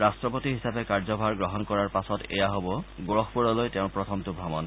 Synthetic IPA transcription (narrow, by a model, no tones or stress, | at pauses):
ɹastɹɔpotiɦisapɛkaɹzɔbʱaɹɡɹɔɦɔnkɔɹaɹpasɔtḛjaɦobɔɡoɹɔxʰpuɹɔlojtɛʊ̃pɹɔtʰɔmtʊbʱamɔn